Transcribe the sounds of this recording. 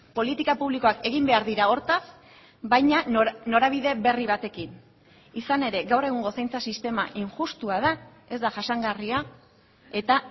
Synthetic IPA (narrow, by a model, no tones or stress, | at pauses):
po̞lit̪ikapuβliko̞ake̞ɣimbe̞aɾðiɾao̞ɾt̪as | bajɲano̞ɾaβ̞iðe̞βe̞riβ̞at̪e̞kin | isane̞ɾe̞ɡawre̞ɣ̞uŋɡo̞sajnt͡sasist̪e̞ma̰ʔiŋʝust̪uað̞a | e̞zd̪aʝasaŋɡaria | e̞t̪a